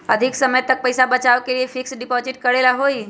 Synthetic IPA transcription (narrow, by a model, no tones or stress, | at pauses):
əd̪ʱɪksəməjt̪ək̚pəjsabət͡ʃaːʋkeliefɪksɖɪpoːzɪʈkəɽelaɦoːi